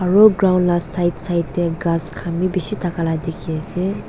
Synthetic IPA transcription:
aɹɔɡɾawnlasajtsajtːeɡaskʰamibisitʰakaladekʰiase

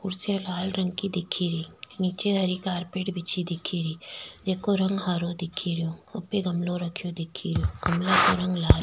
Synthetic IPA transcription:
ʊɾsjalaːlɾə̃ŋɡkid̪ɪkʰːiɾiːniːt͡ʃeɦɐɾikaːɾpeːʈbɪt͡ʃʰid̪ɪkʰiɾiːd͡ʒeːkoɾɐ̃ŋɡɦaːɾod̪ɪkʰiɾɪjõʊpːeɡɐmloɾɐkʰijod̪ɪkʰiɾɪjokɐmlakoɾɐ̃ŋɡlaːl

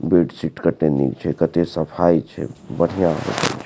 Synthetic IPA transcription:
beɖsiʈkəʈnenḭkt͡ʃʰɛkət̪esəpʰait͡ʃʰɛ̰bəɽ̤ijã̰bḛt̪ə̰t͡ʃʰ

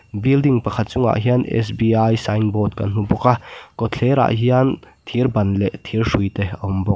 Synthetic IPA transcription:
bildiŋpɐkʰɐt̪̚t͡sʊŋa̰ʔɦiɐnʔɛ̰s̬biajsajnbɔːt̪̚ka̰n̥ubɔkakɔt͡ɬʰɛɾa̰ʔɦiant̪ʰirbɐnlɛʔt̪ʰirʂujt̪eɐɔmbɔk

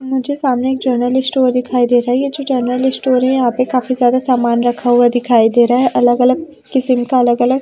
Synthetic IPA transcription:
mʊd͡ʒʱesaːmneːk̚d͡ʒəɾnəlɪsʈoːɾd̪ɪkʰaːid̪eːɾaɦɛjed͡ʒoːd͡ʒəɾnəlɪsʈoːɾɦɛ̃jɐɦãːpẽkaːfizjaːd̪asaːmaːnɾɐkʰauad̪ɪkʰaːid̪eːɾaɦɛʔɐləɡɐləɡ̚ | kɪsəmkaɐləɡɐləɡ

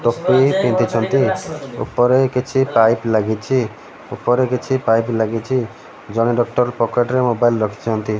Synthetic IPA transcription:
ʈopipĩnt̪it͡ʃʰɔnt̪iṵpɔɾekit͡ʃʰipajplaɡit͡ʃʰi | upːɔɾekit͡ʃʰipajplaɡit͡ʃʰi | d͡ʒɔɽ̃eɖɔk̚ʈɔɾpɔkeʈɾemobailɾɔkʰi̥t͡ʃʰɔnt̪i

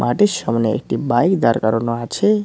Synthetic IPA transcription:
mʔaʈisʌmneḛkʈibajkd̪aɾkaɾonoat͡ʃʰe

